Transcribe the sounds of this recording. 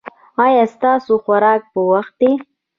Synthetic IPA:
ɑjɑst̪ɑsoxwaɾɑk̚pəwaxt̪̚d̪e

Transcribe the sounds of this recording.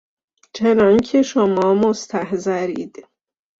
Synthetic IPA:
t͡ʃʰenɒːncʰeʃomɒːmost̪ʰæhzæɾiːd̪̥

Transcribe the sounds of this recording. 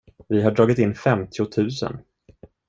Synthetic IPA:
vɪɦaɖɾɑːɡɪt̪ɪnːfɛmt̪ʰɪʊt̪ʰʉ̟ːsə̰n

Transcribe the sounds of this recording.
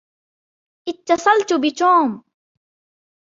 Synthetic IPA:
ʔɪt̪ːɑsˤɑlt̪ʊbɪt̪oːm

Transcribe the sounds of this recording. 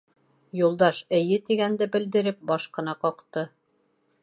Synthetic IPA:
julˠd̪ɑʃɘ̆jɘt̪iɡænd̪ɘbɘ̆ld̪ɘ̆ɾɘp̚bɒʃqɤ̆nɑqɒqt̪ɤ

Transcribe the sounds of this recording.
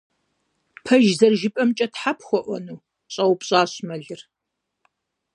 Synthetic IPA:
pʰɐʒzɐrʒɪpʼɐmt͡ʃʼɐtħapʰxʷɔʔʷɔnuw | ɕʼɐwpɕʼaːɕmɐɮɨr

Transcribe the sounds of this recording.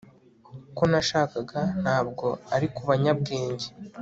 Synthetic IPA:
ko̞naʃaːkaɡan̥haːbɡo̞aɾikuβaɲab̚ɡeːɲɟe

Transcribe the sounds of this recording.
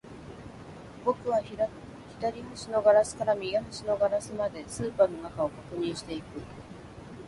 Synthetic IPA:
bo̞kɯ̟βaçiɾakɯ | çid̪aɾʲihɯ̟ɕino̞ɡaɾasɨ̥kaɾamʲiɡaɦɯ̟ɕino̞ɡaɾasɨmad̪e̞sɨːpaːno̞nakao̞kakɯ̟ɲ̟ĩɰ̃ɕi̥t̪e̞ikɯ̟

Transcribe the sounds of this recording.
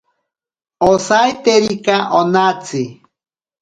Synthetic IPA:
osajt̪eɾikaʔonat͡si

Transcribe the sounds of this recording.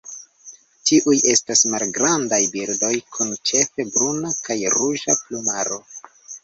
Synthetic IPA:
tiʔujʔe̞stasmalɡɾandajbiɾdo̞jkʰunt͡ʃe̞fe̞bɾunakajɾuʒaplumaɾo̞

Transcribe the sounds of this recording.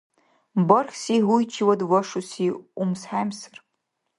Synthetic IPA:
bɔrxʲsiɦujt͡ʃʰiwɐdwɐʂusiumsħajmsɐ̥r

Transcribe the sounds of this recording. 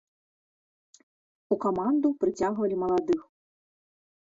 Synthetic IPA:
ukɔmand̪upɾɨt͡sʲaɣvɐlʲimɐlˠad̪ɨx

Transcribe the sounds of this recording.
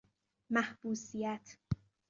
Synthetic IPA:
mæhb̥uːsijæt̪ʰ

